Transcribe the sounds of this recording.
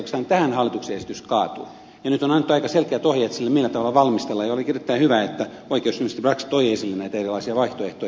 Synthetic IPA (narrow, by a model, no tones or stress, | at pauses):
okest̪ɑːnt̪æhænhɑlːit̪ukseesi̥t̪yskɑːt̪ui | jɑnyt̪onɑnet̪ːuɑikɑselkeæt̪ohjɑːet̪silːemilːæt̪ɑʋɑlːɑʋɑlmist̪elːɑjɑolikirjet̪ːæihyʋæet̪ːæ | oikeosymːøst̪ibrɑksi̥t̪oijeisilːenæit̪æerilɑisiɑʋɑiht̪oeht̪oij